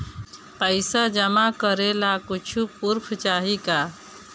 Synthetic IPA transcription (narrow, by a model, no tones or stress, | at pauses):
pəɪsad͡ʒəmakəɾelakut͡ʃʰupuɾpʰt͡ʃaɦika